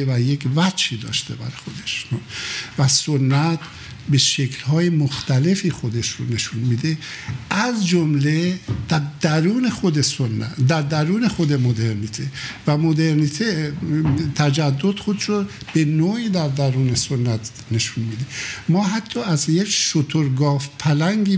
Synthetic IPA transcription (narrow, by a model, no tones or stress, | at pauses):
evæjekvæiːd̪ɒ̰ːʃt̪e̞bæ̰ɾxod̪e̥ʃ | væsonːæt̪ | be̞ʃekʰlhɒːjemoxt̪æle̞fiːxo̞d̪eʃɾone̞ʃunmiːd̪eʔæzd͡ʒomled̪̥æɾd̪æɾuːne̞xod̪esonːæ̰d̪æɾd̪æɾuːne̞xo̞d̪e̞mod̪eɾniːt̪ʰevæmod̪e̞ɾniːt̪ʰe | t̪ʰæd͡ʒæd̪ːo̞d̪xod̪ʃo | b̥e̞noːiːd̪æɾd̪æɾuːnesonːæt̪ | ne̞ʃunmid̪emɒːɦæt̪ʰːɒːæzjekʃot̪ʰoɾɡɒːfpʰælæŋɡiː